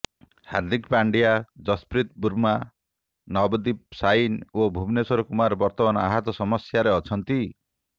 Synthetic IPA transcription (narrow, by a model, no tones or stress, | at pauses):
haɾd̪ʱikpaɳɖijad͡ʒɔspɾit̪̚buɾma | nɔbɔd̪ip̚sajinobʱumnesɔɾɔkumaɾbɔɾt̪ɔmanɔaɦat̪ɔsɔmɔsjaɾeɔt͡ʃʰɔnt̪i